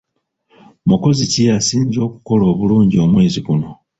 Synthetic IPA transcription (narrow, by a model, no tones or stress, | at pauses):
muko̞zicijasiːnzo̞ːku̥ko̞lo̞ːβuluːɲɟio̞mwe̞ːziɡuno̞